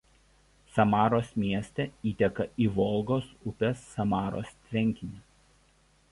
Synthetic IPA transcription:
sɐmɑːɾoːsmʲiɛsʲt̪ʲɛiːt̪ʲɛkɐiːʋɔlˠɡoːsʊpʲɛsːɐmɑːɾo̰ːst̪ʲɾʲɛŋʲkʲɪnʲɪ

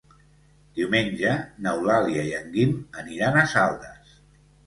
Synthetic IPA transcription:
d̪iwmenʲʒənəwlaliaiaŋɡinəniɾanəsalˠt̪əs

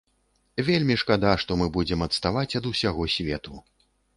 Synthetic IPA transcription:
vʲelʲmʲiʂkad̪aʂt̪ɔmɨbud͡zʲɛmɐt̪st̪avat͡sʲɐd̪usʲaɣɔsʲvʲɛt̪u

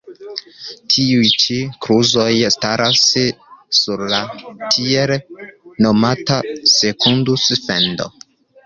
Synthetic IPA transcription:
tʰiujt͡ʃikɾuzo̞jstaɾʔasː | uɾlatʰielno̞matase̞kundusfḛndo̰

